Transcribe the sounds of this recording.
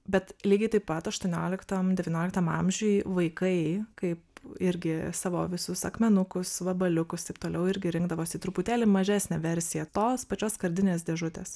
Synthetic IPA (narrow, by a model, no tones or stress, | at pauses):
bʲɛt̪lʲiːɡʲɛɪt̪ɐɪppɐt̪ɐʃt̪uɔnʲoːlʲɪkt̪omd̪ʲɛʋʲiːnʲoːlʲɪkt̪ɐmɑmʲʒʲujʋɐɪkɐɪkɐɪpɪɾʲɡʲɪsɑːʋo̰ːʋʲɪsʊsɐ̰kmʲɛnʊkʊsʋɐbɐlʲʊkʊst̪ɐɪp̚t̪oːlʲɛʊɪɾʲɡʲɪɾʲɪŋɡd̪ɐʋoːsɪt̪ɾʊpʊt̪ʲæːlʲɪmɐʒʲæːsʲnʲɛʋʲɛɾʲsʲɪjɛt̪oːspɐt͡ʃʲoːskɐɾʲd̪ʲɪnʲeːs̬d̪ʲeɛʒʊt̪ʲeːs